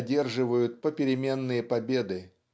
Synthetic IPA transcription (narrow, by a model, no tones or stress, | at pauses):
dʲe̞rʐɨvəjʊt̪̚pəpʲɪɾʲɪmʲe̞nːɨjəpɐbʲe̞d̪ɨ